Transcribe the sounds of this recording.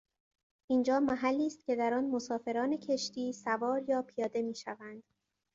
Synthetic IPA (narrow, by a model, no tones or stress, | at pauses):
ʔiːnd͡ʒɒːmæɦælːiːst̪̚cʰʲe̞d̪æɾɒːnmo̞sɒːfe̞ɾɒːne̞cʰe̞ʃt̪iːsævɒːɾjɒːpʰijɒːd̪e̞miːʃævænd̪̥